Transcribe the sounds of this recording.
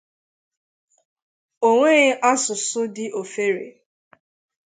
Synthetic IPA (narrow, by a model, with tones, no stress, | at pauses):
o˦ŋʷe˦ɣʔa˦sʊ˨sʊ˦dɪ˦ʔo˨fe˦ɾḛ˨